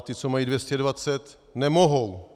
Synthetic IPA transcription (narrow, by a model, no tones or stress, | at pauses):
t̪ɪt͡somajiːdvjɛscɛdvat͡sɛt̪ | nɛmoɦow